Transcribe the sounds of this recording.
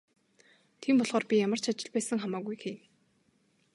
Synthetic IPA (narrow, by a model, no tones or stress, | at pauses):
t̪ʰiːmpɔɮʁɔːrpʲijamə̆r̥t͡ɕʰat͡ɕɪ̆ɮpæːsə̆ŋχamaːɣujxeːm